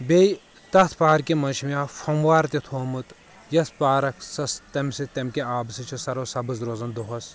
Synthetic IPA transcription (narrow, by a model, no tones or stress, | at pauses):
bej | t̪ɐt̪ʰpaːɾkimɐnʃʰmʲjaːfɐmʋaːɾt̪it̪ʰoːmɨt̪ | jɐspaːɾɐkʰsɐst̪ɐmsit̪ɐmkʲeaːbsit͡ʃʰisɐɾoːsɐbɨzɾoːzɐnd̪oɦɐs